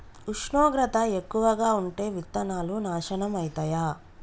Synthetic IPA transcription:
uʂɳoːɡɾɐt̪ɐekːuʋɐɡaːuɳʈe̞ːʋit̪ːɐnaːlunaːʃɐɳɐmɐjit̪ɐjaː

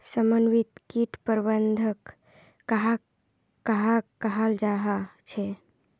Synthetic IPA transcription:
səmənwit̪kiʈpəɾbənd̪ʱəkː | əɦa | kəɦakəɦəld͡ʒaɦat͡ʃʰɛ

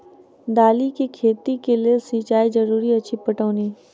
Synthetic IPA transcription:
d̪aːlikikʰeːt̪ikeliesĩːt͡ʃaːid͡ʒɐɾuːɾiɐt͡ʃʰipɐʈoːniː

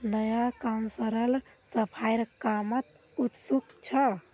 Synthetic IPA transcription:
nəjakansəɾəl | səpʰajɾkamət̪ | ut̪sukt͡ʃʰə

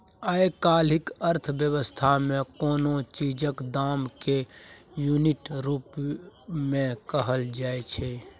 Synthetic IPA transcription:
aekaːlɪkəɾt̪ʰbjəʋəst̪ʰamẽkoːnot͡ʃiːd͡ʒəkd̪aːmkejunɪʈɾuːp | mẽkəɦəld͡ʒaːet͡ʃʰe

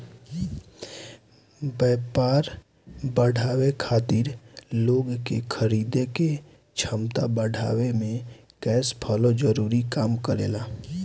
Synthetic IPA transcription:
bɛːpaːɾ | bəɽʱaːwekʰaːt̪ɪɾloːɡkekʰəɾiːd̪eke | t͡ʃʰəmt̪abəɽ̤ʱa̰ːwemẽ | kɛːspʰəlod͡ʒəɾuːɾikaːmkəɾḛːlaː

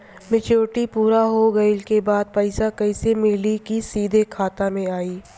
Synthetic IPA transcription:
mɪt͡ʃoːʈipuːɾaɦoɡɐɪlkebaːd̪̚pɐɪsakɐisemɪːlikisiːd̪ʱekʰaːt̪amẽaːiː

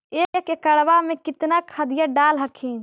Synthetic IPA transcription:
eːkekekəɽbamẽkɪt̪nakʰəd̪ijaɖalɦəkʰin

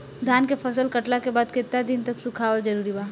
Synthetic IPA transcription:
d̪ʱjaːnkepʰɐsəlkɐʈlakebaːd̪kɪt̪ːad̪ɪnt̪ɐksʊkʰaːwəd͡ʒɐɾuːɾibaː

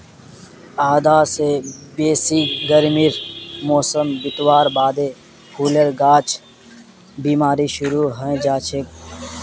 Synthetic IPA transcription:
aːd̪aːsebeːsiːɡəɾmiɾmoːsəmbɪt̪waːɾbaːd̪eː | pʰuːləɾɡaːt͡ʃʰ | biːmaːɾiːʃʊɾuːɦə̃d͡ʒaːt͡ʃʰek

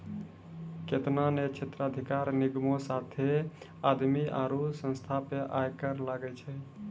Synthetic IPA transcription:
ket̪nanet͡ʃʰet̪ɾəəd̪ʱikaɾniɡmosat̪ʰe | ad̪miʔa̰ɾusə̃nst̪ʰapeʔajkəɾlaɡɛt͡ʃʰɛ

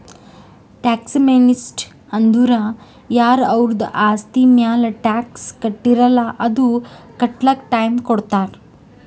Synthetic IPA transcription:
ʈaːksmenisʈ | ɐnd̪uɾa | jaːɾɐʋɾud̪ʔaːst̪imjaːlɐʈaːkskɐʈːiɾɐlːɐʔɐd̪ukɐʈlɐkʈɐjmkoɽt̪aːɾ

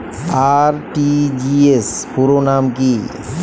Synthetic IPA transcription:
aɾʈid͡ʒiespuɾonamki

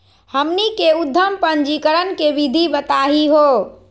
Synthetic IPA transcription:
həmnikeud̪ʱːəmpənd͡ʒikəɾənkebid̪ʱibət̪aɦiɦo

